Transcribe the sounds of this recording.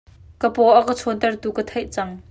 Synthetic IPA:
kəpɔʔakət͡sʰɔnt̪ɐrt̪ukət̪ʰɛjʔt͡sɐŋ

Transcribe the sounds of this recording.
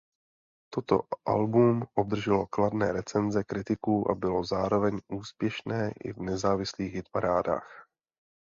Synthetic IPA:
t̪o̞t̪o̞̰ʔa̰lbumʔo̞b̚d̪r̩ʒɛlo̞kladnɛːɾɛt͡sɛnzɛkɾɪt̪ɪkuːʔa̰bɪlo̞zaːɾo̞vɛɲʔuːspjɛʃnɛːʔɪ̰vnɛzaːvɪsliːxjɪt̪paɾaːda̰ːx

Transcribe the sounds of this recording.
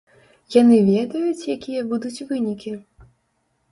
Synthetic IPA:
janɨvʲɛd̪ɐjut͡sʲjakʲijɐbud̪ut͡sʲvɨnʲikʲi

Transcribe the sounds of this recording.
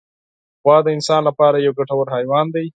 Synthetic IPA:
xwɑːd̪əɪnsɑːnlapɑːɾajawɡaʈawaɾɦɑːjwɑːnd̪aj

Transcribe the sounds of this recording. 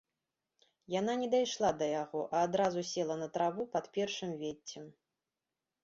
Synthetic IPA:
jan̪anʲɛd̪ajʂlˠad̪ɐjaɣɔʔɐːd̪ɾazusʲɛlˠɐnɐt̪ɾavupɐt̪pʲɛrʂɨmvʲet͡sʲːɛm

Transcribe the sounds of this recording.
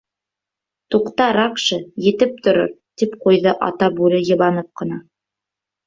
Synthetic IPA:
t̪uqt̪ɑɾɑqʃɤjɘ̆t̪ɘp̚t̪ŏɾo̰ɾ | t̪ipqujðɤʔɑ̰t̪ɑbʉlɘjɤ̆βɑnɤp̚qɤ̆nɑ

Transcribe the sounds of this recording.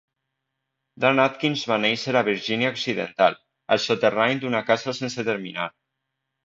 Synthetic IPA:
d̪anat̪̚kinzβanejseɾaβ̞iɾʒinjaoksiðḛnt̪al | ə̰lˠsot̪eraɲd̪unakasasenset̪eɾmina̰ɾ

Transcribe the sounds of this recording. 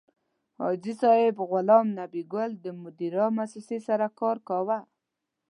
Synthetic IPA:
hɑ̰d͡ʒisɑɪbɣʊlɑmnabiɡʊld̪əmʊd̪iɾɑmasɾɪsesaɾakɑɾkɑwa

